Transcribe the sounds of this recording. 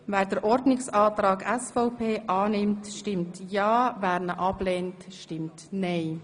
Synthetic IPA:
vɛːɾdəɾʔɔɾdnɪksɑːtɾɑːɡɛsfɔʊpʰeːʔɑːnɪmtʃtɪmtjɑːvæːɾnəʔɑb̥leːntʃtɪmtnɛɪ

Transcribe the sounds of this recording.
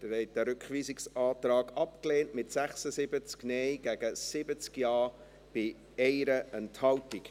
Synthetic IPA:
d̥əɾhɛɪt̚əɾʏkχʋiːzɪksɑːtɾɑːɡɑpkleːntmɪtsæχsəsɪbət͡sknɛɪɡ̥æɡ̥əsɪbət͡skjɑː | b̥ɪ | ɛɪɾəʔənthɑltɪk

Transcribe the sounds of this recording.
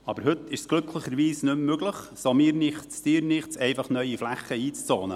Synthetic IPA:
ɑbəɾɦʏt̪ʰɪʃsɡ̥lɵkʰləχəɾʋiːsnʏmːøɡləχ | somiːɾnɪχt͡sd̥iːɾnɪχt͡sɛɪfɑχnœʏiflæχːəiːt͡st͡soːnə

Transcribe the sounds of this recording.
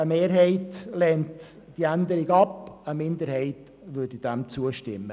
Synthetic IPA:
əmeːɾɦɛɪtlɛːnt | d̥iːændəɾɪɡɑpəmɪndəɾhɛɪt | ʋʏːdid̥ɛmt͡suəʃtɪ̰mːə

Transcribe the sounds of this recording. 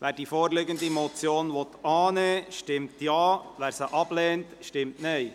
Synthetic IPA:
ʋæːɾd̥iːfoːɾlɪɡənd̪imot͡sjoːnʋɔt̪ɑːneːʃtɪmtjɑːʋæːɾsəʔɑb̥lɛːntʃtɪmtnɛɪ

